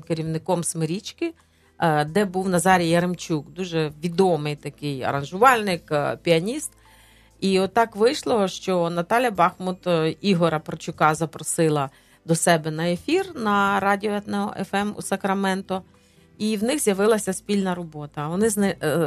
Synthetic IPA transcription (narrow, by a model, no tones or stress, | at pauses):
keɾʲiwnɪkɔmsmeɾʲit͡ʃkɪ | d̪ɛbuwnɐzɑɾʲijɐɾemt͡ʃʲukd̪uʒɛʋʲid̪ɔmɪjt̪ɐkɪjɐ̰ɾɐnʒʊʋɑlʲnɪkpʲiɐnʲist̪̚ | iɔt̪ːɑkʋɪjʃlˠɔɦɔʃt͡ʃɔnɐt̪ɑlʲjɐbɑxmʊt̪iɦɔɾɐpɾɐt͡ʃʊkɑzɐpɾɔsɪlˠɐ | d̪ɔsɛbɛnɐefʲirnɐɾɑdʲiɔɛt̪nɛɦɔ̰ʔɛfɛmṵsɐkɾɐmɛnt̪ʊ | iwnɪxzʲjɐʋɪlˠɐsʲɐspʲilʲnɐɾɔbɔt̪ɐʋɔnɪznɪ